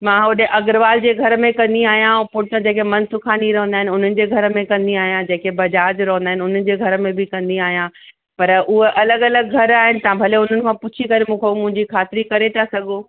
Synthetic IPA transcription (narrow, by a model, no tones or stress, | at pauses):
mãːʊɗeʔɐɡɾʋaːld͡ʑeːɡʱɐɾmẽkɐ̃nd̪iaːɦijãpʊʈə̃d͡ʑeːkemɐ̃nsʊkʰaːniɾɐɦə̃nd̪aːɦɪnɪʊn̤ənɪ̆d͡ʑeːɡʱɐɾəmẽkɐ̃nd̪iaːɦijãd͡ʑeːkebɐd͡ʑaːd͡ʑɾɐɦə̃nd̪aːɦɪnɪʊn̤ənɪ̆d͡ʑeːɡʱɐɾəmẽbʱɪkɐ̃nd̪iaːɦijã | pɐɾʊɦeʔɐləɡɐləɡɡʱɐɾaːɦɪnɪ̆t̪ãbʱɐleʊn̤ənɪ̆kʰãpʊt͡ɕʰikɐɾemũːkʰemʊ̃ɦɪ̃ɲd͡ʑikʰaːt̪ɪɾikɐɾet̪ʰasɐɠʱoː